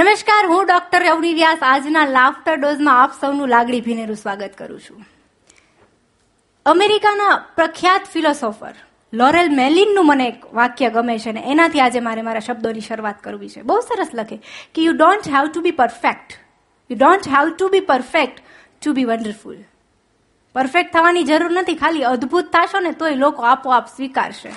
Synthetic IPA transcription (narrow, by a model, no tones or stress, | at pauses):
nəməʃkaɾɦũɖɔk̚ʈəɾjəwniɾijasad͡ʒnalafʈaɖozmãːpsəwnũlaɡɽibʱineɾũsʋaɡət̪kə̰ɾṵ̃t͡ʃʰũ̥ | əmeɾikanapɾəkʰjat̪filɔsɔfə̰ɾ | lɔɾelmelinːũməneːkʋakjəɡəmeʃeneʔenat̪ʰiad͡ʒemaɾemaɾaʃəb̚d̪oniʃəɾuʋat̪kəɾʋit͡ʃʰebəɦusəɾəsləkʰekejuɖõɳʈɦɛwʈubipəɾfek̚ʈ | juɖõnʈɦawʈubipəɾfek̚ʈː | ubiʋəɳɖəɾfṵl | pəɾfek̚ʈt̪ʰːəʋanid͡ʒəɾuɾnət̪ʰikʰaliəd̪bʱut̪ʰːaʃonet̪oilokoapoapsʋika̰ɾʃḛ